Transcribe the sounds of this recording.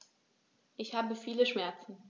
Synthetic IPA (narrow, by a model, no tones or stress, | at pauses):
ʔɪçhaːbəfiːləʃmɛɐt͡sn̩